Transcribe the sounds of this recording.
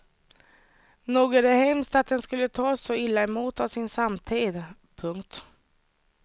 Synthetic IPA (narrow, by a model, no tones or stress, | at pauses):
nuːɡəd̪ɛhɛmst̪at̪̚d̪ɛnskɵlːət̪ʰɑːsːɔɪlːaɛmuːt̪avsɪnsamt̪ʰiːd̪ | pʰɵŋkt̪